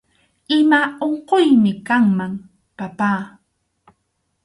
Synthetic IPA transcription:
ɪmaoɴqojmɪkaŋmaŋ | papaː

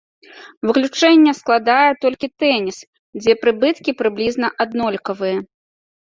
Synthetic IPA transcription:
vɨklʲut͡ʂɛnʲːɛsklˠad̪ajɛt̪ɔlʲkʲit̪ɛnʲis | d͡zʲɛpɾɨbɨt̪kʲipɾɨblʲizn̪ɐʔad̪nɔlʲkɐvɨjɐ

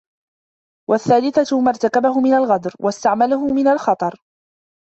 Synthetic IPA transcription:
waθːaːlɪθamaɾˤt̪akabahʊmɪnalɣad̪ɾwast̪aʕmalaɦʊmɪnalxɑt̪ˤɑɾˤ

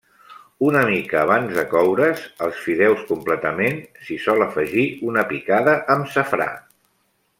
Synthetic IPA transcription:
unəmikəːβ̞anzðəkɔwɾəzəlˠsfiðɛwskumplət̪əmensisɔləfəʒiunəpikaðəʔəmsəfɾa̰

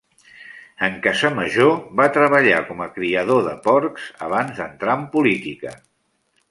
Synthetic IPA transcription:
əŋkazəməʒoβat̪ɾəβ̞əʎa̰kɔməkɾiəð̞oðəpɔɾkz̥ə̰β̞anzðənt̪ɾaəmpulit̪ikə̰

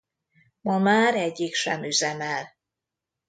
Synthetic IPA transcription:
mɒmaːɾɛɟːikʃɛmyzɛmɛl

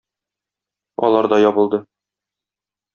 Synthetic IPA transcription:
ɒ̰lˠɑɾd̪ɒjɒbɤ̆lˠd̪ɤ

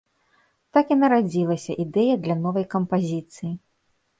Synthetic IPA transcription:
t̪akinɐɾad͡zʲilˠɐsʲɐʔid̪ɛjɐd̪lʲɐnɔvɐjkɐmpazʲit̪sɨji

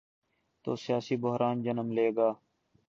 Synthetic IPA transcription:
t̪o̰ːsɪjaːsiːbʊɦɾaːnd͡ʒənəmleːɡaː

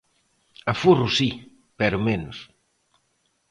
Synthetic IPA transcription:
ɐfurʊsi | pɛɾʊmenʊs

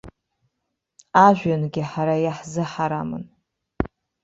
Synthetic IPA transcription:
aʒᶣʷanɡʲɪħaɾajaħzɨħaɾamɨ̰n

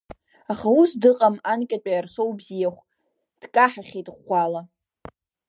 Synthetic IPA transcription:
aχausdɨqʼamankʲʼat͡pʷʼajarsowbzijaχʷ | d̥kʼaħaχʲejtʼχʷala

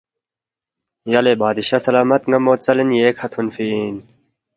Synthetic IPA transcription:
jɐlebaːd̪iɕasɐlaːmɐt̪ŋɡɐmoːt̪t͡sɐlinjeːkʰɐt̪ʰunfin

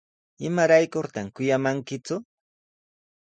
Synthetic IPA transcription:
ɪmaɾajkʊɾt̪amkʊjamaŋkɪkʊ

